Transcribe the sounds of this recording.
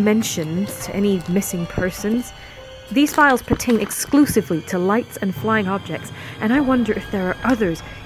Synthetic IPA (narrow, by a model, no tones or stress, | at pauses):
mɛ̃nʃɨ̃nz̥tʰɨʔɛnimɪsɪ̃ŋpʰɜ˞sɨ̃nz̥ | ðiz̥faɪlˠz̥pʰə˞tʰẽɪ̃nɨksklʉsɨvliɾəlaɪtsɨ̃nflaɪɪ̃ŋɑb̚d͡ʒɛk̚tsʔɨ̃ɾ̃aɪwʌ̃ndə˞ʔɨfðə˞ːʔʌðə˞z̥